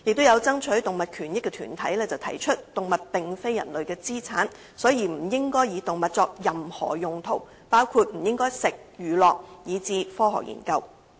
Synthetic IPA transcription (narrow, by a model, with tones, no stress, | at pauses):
jɪ˨k̚t̪o˥jɐ˨˧wt͡sɐ˥ŋt͡ʃʰɵ˨˥jt̪ʊ˨ŋmɐ˨t̚kʰyː˨˩njɪ˥kːɛ˧t̪ʰyː˨˩nt̪ʰɐ˨˥jlɛː˥t͡sɐ˨˩wt̪ʰɐ˨˩jt͡ʃʰɵ˥t̚t̪ʊ˨ŋmɐ˨t̚pɪ˨ŋfe˥jɐ̰˨˩nlɵ˨ɥkɛː˧t͡siː˥t͡sʰa̰ː˨˥n | sɔː˨˥jiː˨˩m̩˨˩jɪ˥ŋkɔː˥jjiː˨˧t̪ʊ˨ŋmɐ˨t̚t͡sɔː˧k̚jɐ˨˩mhɔ̰ː˨˩jʊ˨ŋt̪ʰo̰˨˩w | paː˥wkʰuː˧t̚m̩˨˩jɪ˥ŋkɔː˥jsɪ˨k̚jyː˨lɔː˨k̚jiː˨˧t͡siː˧fɔː˥ɦɔ̰˨k̚jḭː˨˩nkɐ˧w